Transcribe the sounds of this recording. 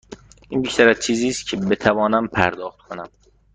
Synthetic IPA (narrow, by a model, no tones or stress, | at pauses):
ʔiːnbiʃt̪ʰæɾæzt͡ʃʰiːziːst̪̚cʰebe̞t̪ʰævɒːnæmpʰæ̰ɾd̪ɒːxt̪̚kʰonæm